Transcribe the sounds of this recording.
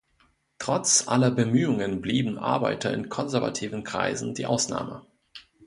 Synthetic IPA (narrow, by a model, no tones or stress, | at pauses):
tʁ̥ɔt͡sʔa̰lɐbəmyːʊŋənbliːbm̩ʔa̰ɐba̰ɪtɐɪ̰nkʰɔnzɛɐva̰tʰiːvənkʁ̥a̰ɪzn̩diːʔaʊsna̰ːmə